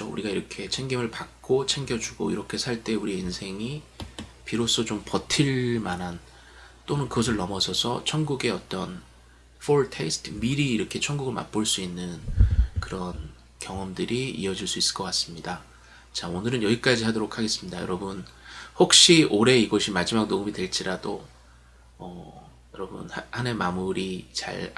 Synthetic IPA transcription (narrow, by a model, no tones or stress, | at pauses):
t͡ɕʰoṵɾiɡaiɾʌkʰe̞t͡ɕʰe̞ŋɡimɯɭpak̚k͈ot͡ɕʰeŋɡjʌd͡ʑuɡo̰iɾʌkʰe̞sʰaɭt͈e̞uɾieinsʰe̞ŋi | piɾos͈ot͡ɕompʌtʰiɾmanɦan | t͈onɯnkɯɡʌs̬ʰɯɭnʌmʌsʰʌsʰʌt͡ɕʰʌnɡuɡe̞ʌt͈ʌn | fʰoɭtʰesʰtʰmiɾiːɾʌkʰe̞t͡ɕʰʌnɡuɡɯɭma̰p͈oɭs͈uinːɯnkɯɾʌn | kjʌŋʌmdɯɾiḭʌd͡ʑiɭs͈uis͈ɯ̥ɭk͈ʌk͈as͈ɯmɲida | t͡ɕaonɯɾɯnjʌɡik͈ad͡ʑiɦadoɾokʰaɡe̞s͈ɯmɲidajʌ̰ɾʌbɯnhok̚ɕ͈ioɾe̞iɡʌɕʰimad͡ʑimak̚noumidwe̞ɭt͡ɕ͈iɾado | ʌ | jʌɾʌbɯ̰nhhane̞mamuɾit͡ɕa̰ɭ